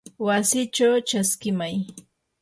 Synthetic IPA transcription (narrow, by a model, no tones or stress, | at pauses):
wasɪt͡ʃawt͡ʃaskɪmaj